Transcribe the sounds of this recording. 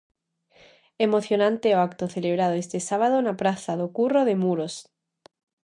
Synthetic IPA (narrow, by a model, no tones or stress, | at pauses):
emo̞θjo̞nãnt̪eoakt̪oθe̞leβ̞ɾað̞oest̪esaβ̞aðonapɾaθaðokuroðemuɾos